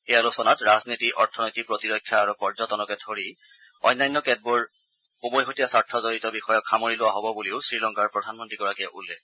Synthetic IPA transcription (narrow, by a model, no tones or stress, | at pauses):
ejalusɔnatɹaznitiʔɔɹtʰɔnojtik̚pɹotiɹɔkʰːjaːɹupɔɹzɔtɔnɔkɛtʰoɹi | ɔ̰jnːajnːɔkɛd̚bʊɹ | ubɔjɦotijasaɹtʰːɔzoɹitɔbixɔjɔkʰxamoɹilʊwaɦobɔbuliʊsɹilɔŋkaɹpɹɔdʱanmɔntɹiɡɔɹakɛʔṵlːɛk